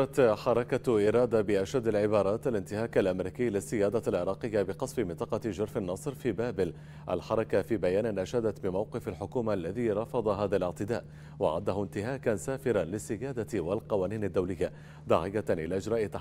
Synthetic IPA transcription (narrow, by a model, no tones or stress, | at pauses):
ɾˤɑt̪ħɑɾˤɑkaʔɪɾˤɑːd̪abɪʔaʃad̪ːalʕɪbɑːɾˤɑːt̪alɪnt̪ɪhaːkalʔamɾiːkɪːlɪsːɪjaːd̪alʕɪɾˤɑːqɪjːabɪqɑsˤfɪmɪnt̪ˤɑqɑd͡ʒʊɾˤfanːɑsˤɾfiːbaːbɪl | ʔa̰lħɑɾˤɑkafiːbajaːnɪnʔaʃhad̪at̪bɪmawqɪfalħʊkuːmaʔlːaðiːɾˤɑfɑd̪ˤɑɦaːðalɪʕt̪ɪd̪a̰ːʔ | wɑʕa̰d̪ːaɦʊnt̪ɪhaːkansaːfɪɾanlɪsːɪjaːd̪awalqɑwaːniːnad̪ːawlɪjːa | d̪aːʕɪjːaʔɪ̰laːʔɪd͡ʒɾˤɑːʔɪt̪ːa